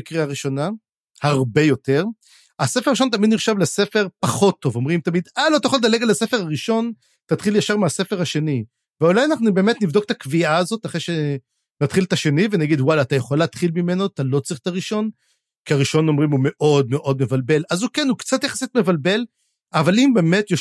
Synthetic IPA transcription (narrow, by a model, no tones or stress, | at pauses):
kʁiaʁiʃo̞na | haʁbe̞jo̞t̪e̞ʁ | asefeʁaʁiʃont̪̬amid̪niχʃavlese̞fe̞ʁpaχo̞t̪ːo̞vo̞mʁimt̪amid̪alot̪ajχold̪ale̞ɡalasefeʁaʁiʃo̞n | tat̪χiljaʃaʁmease̞fe̞ʁhaʃe̞ni | veolajanaχnube̞ːmet̪nivd̪ok̚t̪akviaːzo̞t̪aχʁeʃe | nat̪χilt̪aʃe̞nivenaɡid̪walaːt̪ajeχolːaːt̪χilmime̞no̞t̪alo̞t͡sʁiχt̪aʁiʃo̞n | kiaʁiʃo̞no̞mʁimume̞ʔo̞d̪̚meʔo̞d̚me̞valbe̞lazukenukt͡sat̪jaχasit̪me̞valbe̞l | avalimbe̞ːme̞t̪jo